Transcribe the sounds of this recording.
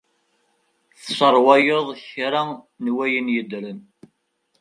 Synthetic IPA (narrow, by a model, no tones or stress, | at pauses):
θsəɾˤwajeðˤçɾa | nwæjənjəd̪ɾən